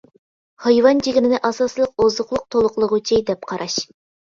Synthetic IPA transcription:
hɑjwɑnd͡ʒiɡʲimɪnɪʔɑsɑslˠəq̚ozʊχlˠʊq̚t̪ʰolˠʊqlˠəʁʊt͡ʃʰid̪ɛp̚qʰɑɾʔɑʃ

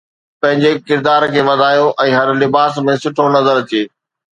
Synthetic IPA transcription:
pɐ̃ɦɪ̃ɲd͡ʑekɪɾd̪aːɾkʰeːʋɐd̪ʱaːjoʔɛ̃ːɦɐɾlɪbaːsmẽsʊʈʰonɐzəɾt̪ʰieː

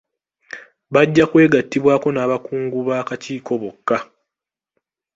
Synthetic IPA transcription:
βaɟːakwe̞ːɡatːiβwaːko̞naːβakuːŋɡuβaːkaciːko̞βokːa

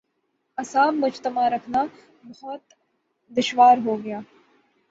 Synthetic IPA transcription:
ɐsaːbmʊd͡ʒt̪əmaɾɐkʰna | bɐɦɔt̪ | d̪ɪʃʋaːɾɦoːɡɐjaː

